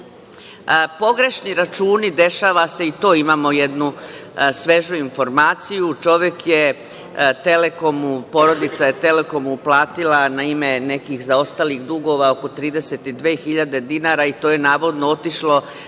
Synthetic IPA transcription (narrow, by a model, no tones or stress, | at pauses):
po̞ɡɾe̞ʃniɾat͡ʃuːnid̪e̞ʃaːʋase̞it̪o̞ːimaːmo̞jed̪nusʋe̞ʒuinfo̞ɾmaːt̪sijut͡ʃo̞ʋje̞kje | t̪e̞leko̞mupo̞ɾo̞d̪it̪sajet̪e̞le̞ko̞muplˠaːt̪ilanaime̞ne̞kixzao̞st̪aliɣd̪uɡo̞ʋao̞ko̞t̪ɾiːd̪eset̪id̪ʋe̞ːxiʎad̪e̞d̪inaɾait̪oje̞naːʋo̞d̪noot̪iʃlo̞